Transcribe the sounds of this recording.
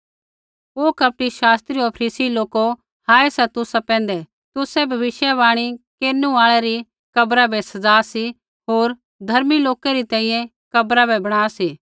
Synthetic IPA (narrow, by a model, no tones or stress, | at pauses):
oːkɐp̚ɽiʃaːst̪ɾiopʰɾiːsiloːko | haːesɛt̪ʊsapɛ̃ːnd̪ɛ | t̪ʊsɛbʱɐʋɪʃjaβaːɽ̃ikeːnũaːɭɛɾi | kɐbɾabɛsɐd͡zaːsi | ɦoːɾ | d̪ʱɐɾmiloːkeɾit̪ɛ̃ːĩːjɛ̃ | kɐbɾabɛbɐɽ̃aːsiː